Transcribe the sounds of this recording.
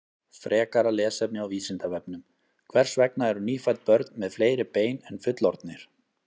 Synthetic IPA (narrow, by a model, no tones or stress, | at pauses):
fɾʔɛːkaɾalɛːsɛp̚nɪawviːsɪnt̪avɛp̚nʏm | kʰvɛr̥svɛknaɛɾʏniːfajt̪̚pœɾt̪nmɛðfleːjɾɪpeːjnɛnfʏt̪lɔ̰ɾt̪nɪɾ̥